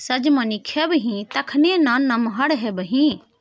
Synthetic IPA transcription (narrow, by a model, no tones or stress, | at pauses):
sɐd͡ʒmɐnikʰebɦĩt̪ɐkʰnẽnãnːɐmɦɐɽɦebəɦĩ